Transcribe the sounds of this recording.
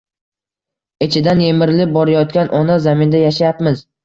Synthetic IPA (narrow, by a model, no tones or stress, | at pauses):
et͡ʃʰɪd̪anjemɪɾlɪp̚bɒɾajɒt̪kʲanʔɒnazamɪnd̪ajaʃ̬ajapmɪz